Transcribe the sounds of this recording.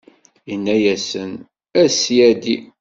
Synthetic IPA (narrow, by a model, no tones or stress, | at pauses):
inːæjæsən | æsjæd̪i